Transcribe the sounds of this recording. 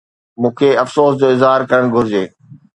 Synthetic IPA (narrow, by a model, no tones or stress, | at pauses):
mũːkʰeɐfsoːsd͡ʑoːɪzɦaːɾkɐɾəɽ̃ɡʱʊɾɪd͡ʑeː